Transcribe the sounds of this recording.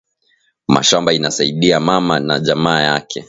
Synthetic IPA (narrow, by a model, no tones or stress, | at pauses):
ma̰ʃambainasaiɗiamamana̰ʄamaːjakʰɛ